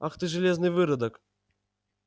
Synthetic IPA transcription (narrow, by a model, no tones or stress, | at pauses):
axt̪ɨʐɨlʲeznɨjvɨɾəd̪ək